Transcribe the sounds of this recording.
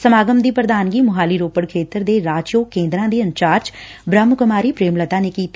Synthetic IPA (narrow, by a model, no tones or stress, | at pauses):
səmaːɡəmd̪iːpɾəd̪aːnɡiːmʊɦaːliːɾoːpəɽkʰeːt̪əɾd̪eːɾaːd͡ʒjoːkẽːnd̪ɾãːd̪iːənt͡ʃaːɾt͡ʃbɾəmkʊmaːɾiːpɾeːmlət̪ãːneːkiːt̪